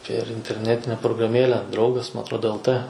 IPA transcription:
pʲeːr ɪnʲtʲɛrʲˈnʲæːtʲɪnʲɛ proːɡrɐˈmʲeːlʲɛ ˈdrɐʊɡɐs mɐ ɐtrˈoːdoː ɛlˠ t

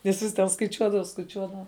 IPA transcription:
ʋʲɪˈsʊs tʲɛn skɐɪˈt͡ʃʲuɔdɐʋɐ skɐɪˈt͡ʃʲuɔdɐʋɐ

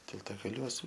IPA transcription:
tʲɪlˠtɐɡɐˈlʲuɔs

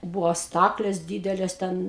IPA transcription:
ˈbʊʋoː ˈstɑːklʲeːs ˈdʲiːdʲɛlʲeːs ˈtʲɛn

